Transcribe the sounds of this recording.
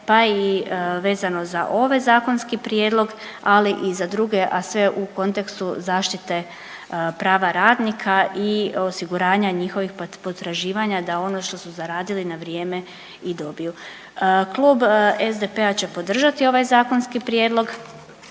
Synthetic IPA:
paiʋe̞ːzano̞za̰ʔo̞ʋezaːko̞nskipɾje̞ːd̪lo̞ɡ | aliʔizad̪ɾuɡe̞ʔasʋe̞ʔuko̞nt̪e̞kst̪uzaːʃt̪it̪e̞ | pɾaːʋaɾaːd̪nikʰaio̞siɡuɾaːɲaɲixo̞ʋixpo̞t̪ɾaʒiːʋaɲad̪ao̞no̞ʃt̪o̞suzaɾaːd̪ilinaʋɾjeːme̞ | id̪o̞biju | klˠuːbezd̪epe̞at͡ɕe̞po̞d̪r̩ʒat̪io̞ʋajzaːko̞nskipɾjeːd̪lˠo̞ɡ

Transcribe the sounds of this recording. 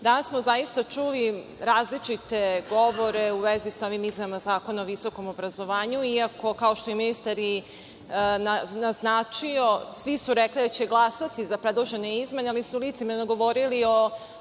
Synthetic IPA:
d̪ansmozajist̪at͡ʃuliɾaːzlit͡ʃit̪e̞ɡo̞ʋo̞ɾeuʋezisao̞ʋimizmenamazaːko̞naoʋiso̞ko̞mobɾazo̞ʋaːɲuiako̞kao̞ʃt̪o̞iminist̪aɾi | nanaznaːt͡ʃio̞sʋisuɾeklid̪at͡ɕeɡlˠasat̪izapɾed̪lˠoʒe̞neizme̞nealisulit̪simenoɡo̞ʋo̞ɾilio̞

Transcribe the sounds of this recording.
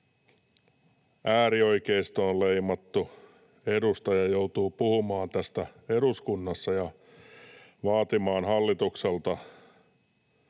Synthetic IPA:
ʔæːɾio̞jkeist̪onlejmɑt̪ːu | e̞dust̪ɑjɑjo̞wt̪uːpuhumɑːnt̪æst̪æe̞duskunːɑsːɑjɑ | ʋɑːt̪imɑːnɦɑlːit̪ukselt̪ɑ

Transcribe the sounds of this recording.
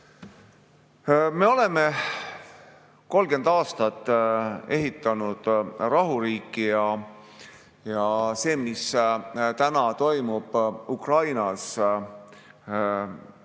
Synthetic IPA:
me̞o̞le̞me | ko̞lɡ̥e̞nd̪ɑːst̪ɑt̪ˑːe̞ɦit̪ːˑɑnud̪̥rɑɦuɾiːkːijɑ | jɑse̞ːmist̪ænɑt̪o̞jmub̥ukrɑjnɑs

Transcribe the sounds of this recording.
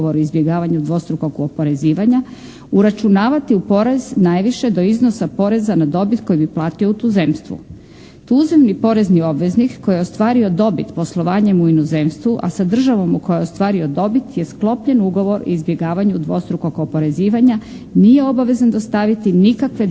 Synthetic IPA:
oɾoizbjeɡaːʋaɲud̪ʋo̞st̪ɾukokopoɾe̞ziːʋaɲa | uɾat͡ʃunaːʋat̪iupo̞ɾeznajʋiʃe̞d̪o̞izno̞sapo̞ɾe̞zanad̪o̞bit̪ko̞jibiplˠaːt̪io̞ut̪uːze̞mst̪ʋṵ | t̪uzemnipo̞ɾe̞znio̞bʋe̞znikːo̞jeost̪ʋaːɾio̞d̪o̞bit̪po̞slˠo̞ʋaːɲemuinoze̞mst̪ʋuʔa̰sad̪r̩ʒaʋo̞mukojeo̞st̪ʋaːɾio̞d̪o̞bit̪je̞sklˠo̞pʎenuɡo̞ʋo̞ɾo̰izbje̞ɡaːʋaɲud̪ʋo̞st̪ɾukokopo̞ɾe̞ziːʋaɲa | nije̞o̞baʋe̞zand̪ost̪aʋit̪inikakʋe

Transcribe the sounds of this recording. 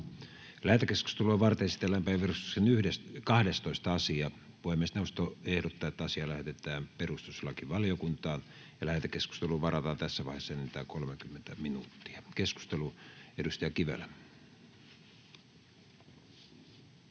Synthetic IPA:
læhæt̪ekesku̥st̪eluːʋɑrt̪eesi̥t̪elːæmpæiperust̪u̥ksenyhdeskɑhdest̪oist̪ɑɑsiɑ | ʋoimːest̪neust̪oehdot̪ːɑːet̪ːæɑsiɑlæhet̪et̪ˑæːmperust̪u̥selːɑkiʋɑliokunt̪ɑːn | jɑlæhæt̪ekesku̥st̪eluʋɑrɑt̪ɑːnt̪æsːæʋɑihesːɑenːet̪æːkolmekymːent̪æminuːt̪ːi̥ɑkesku̥st̪eluedust̪ɑjɑkiʋḛlːæ

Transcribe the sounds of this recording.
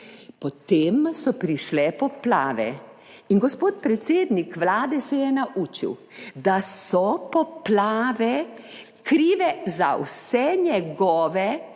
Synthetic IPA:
pɔt̪eːmsɔpɾiʃlɛpɔpla̰ːʋɛ̰ | inɡɔspoːt̪̚pɾɛt̪seːd̪nikʋlaːd̪ɛsɛjɛnaʔuːt͡ʃḭw | d̪asɔpɔplaːʋɛ | kɾiːʋɛza̰wsɛɲɛɡɔːʋɛ

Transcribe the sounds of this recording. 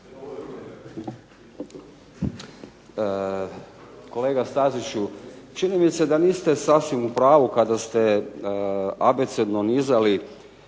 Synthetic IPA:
koleːɡast̪azit͡ʃut͡ʃinimised̪aniːst̪e̞sasʋimupɾaːʋukad̪ast̪e | abet̪sed̪nonizali

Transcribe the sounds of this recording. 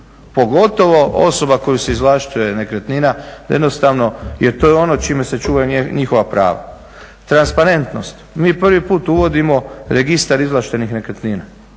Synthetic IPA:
po̞ɡo̞t̪o̞ʋo̞ʔo̰so̞bako̞juse̞izlaʃt̪uje̞ne̞kɾet̪niːnad̪jed̪nost̪aʋno̞jet̪o̞ːjeo̞not͡ʃiːmese̞t͡ʃuːʋajeɲixo̞ʋapɾa̰ːʋa̰ | t̪ɾanspaɾe̞nt̪no̞st̪miːprʋipuːt̪uʋo̞d̪imo̞ɾeɡist̪aɾizlˠaʃt̪e̞nixne̞kɾet̪niːna

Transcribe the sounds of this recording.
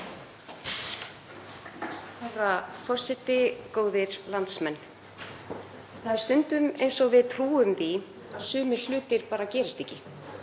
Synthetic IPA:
arafɔr̥sɪt̪ɪkoːwðɪɾ̥lant̪smɛnː | θaðst̪ʏnt̪ʏmejnsɔɣvɪðt̪ʰɾuːʏmði | aðsʏːmɪɾ̥l̥ʏːt̪ɪɾpaːɾacɛːɾɪst̪e̥hcːɪ

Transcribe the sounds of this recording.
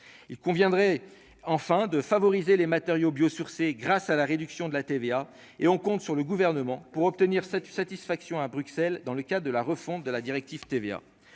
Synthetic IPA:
ilkɔ̃vjɛ̃d̪ʁɛ | ɑ̃fɛ̃d̪əfavɔʁizelemat̪eʁjobjosyʁseɡʁasalaʁed̪yksjɔ̃d̪əlat̪evea | eɔ̃kɔ̃t̪syʁləɡuvɛʁnəmɑ̃puʁɔp̚t̪əniʁsasat̪isfaksjɔ̃abʁyksɛld̪ɑ̃ləkʲad̪ʁd̪əlaʁəfɔ̃t̪̚d̪əlad̪iʁɛk̚t̪ivt̪evea̰

